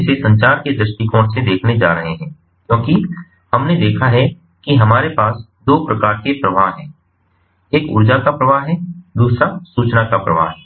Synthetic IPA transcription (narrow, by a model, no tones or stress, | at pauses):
sesɐ̃ɲt͡ʃaːɾked̪ɾəsʈikɔ̃ːʈsed̪eːkʰned͡ʒa̰ːɾɐɦeɦɛ̃ː | kjõːki | hɐmned̪eːkʰaɦɛ | kiɦɐmaːɾepaːs | d̪oːpɾɐkaːɾkepɾɐʋaːɦɦɛ̃ː | eːkʊ̰ɾd͡ʒakapɾɐʋaːɦɦɛːd̪uːsɾasuːt͡ʃnakapɾɐʋa̰ːɦɛ